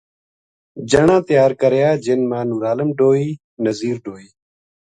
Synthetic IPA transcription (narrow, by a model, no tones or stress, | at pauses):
d͡ʒəɳãːt̪jaːɾkəɾjaːd͡ʒenmãːnuːɾaːləmɖoːiː | nəziːɾɖoːiː